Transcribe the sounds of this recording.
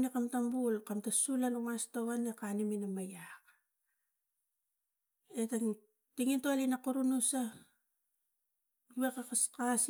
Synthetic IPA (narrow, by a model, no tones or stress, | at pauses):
nekamtambulkamtasulanumastowanekaniminamajak | eta | tiŋintoalinakuɾunusa | uβekakaskas